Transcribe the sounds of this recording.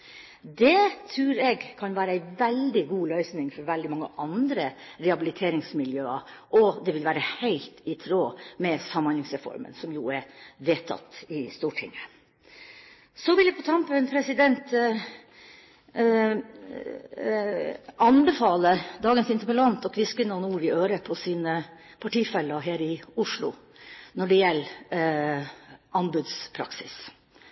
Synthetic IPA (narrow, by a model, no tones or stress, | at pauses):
d̪ɛt̪ʰɾʉːɾɛɡkʰɑnʋæːɾəæɪʋɛld̪ɪɡuːlœʏsnɪŋfɔɾʋɛld̪ɪmɑŋːə̰ʔɑnd̪ɾəɾɛhɑbɪlɪt̪ʰeːɾɪŋsmɪljøːɑʔɔd̪ɛʋɪlʋæːɾəhæɪlt̪ɪt̪ʰɾoːmɛsɑmːɑnlɪŋsɾɛfɔ̰ɾmə̰nsɔmjuɛɾʋeːt̪ʰːɑ̰t̪ːɪst̪uːʈʰɪ̰ŋːə | sɔʋɪljæpʰɔt̪ʰɑmpənpʰɾɛsɪd̪ɛnt̪ | ɑnbəfɑːləd̪ɑːɡənsɪnt̪əpəlɑnt̪ɔkʋɪskənuːnuːɾɪøːɾəpʰɔsiːnə | pʰɑʈiːfɛlːəɦæːɾɪʊʂɭʊ̰ | nɔɖɛjɛlː | ɑnbʉd̪spʰɾɑ̰ksɪs